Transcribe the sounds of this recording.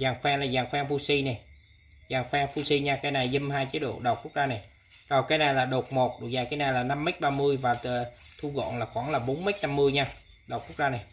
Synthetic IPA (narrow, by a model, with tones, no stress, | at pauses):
zaː˨˩ŋxwɛː˧ŋlaː˨˩zaː˨˩ŋxwɛː˧ŋfu˧si˧na˨˩j | zaː˨˩ŋxwɛː˧ŋfu˧si˧ɲaː˧kaː˨˧˦jna˨˩jzə˧mɦaː˧jt͡ɕi˨˦ɗo̰˧˨ɗə˨˩w̚ku˦˥k̚zaː˧na˨˩j | zɔ˨˩kaː˨˦jna˨˩jlaː˨˩ɗo˨˩t̚mo˨˩t̚ɗo̰˧˩zaː˨˩kaː˨˦jna˨˩laː˨˩na˧mːə˦˥t̚ɓaː˧mɨ˧əjvaː˨˩t̪ɨ˨˩t̪ʰu˧ɣɔ̰˧˨nlaː˨˩xwaː˧˩ŋlaː˨˩ɓo˨˦nmə˦˥jt̚na˧mːɨ˧əjɲaː˧ | ɗə˨˩k͡pku˦˥k̚zaː˧na˨˩j